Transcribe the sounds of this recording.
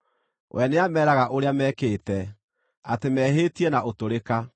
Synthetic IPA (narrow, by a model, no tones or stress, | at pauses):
wʔɛneamɛːɾaɣaʔoɾeamɛːkeːtɛ | atemɛːɦeːtiɛnaʔotoɾeka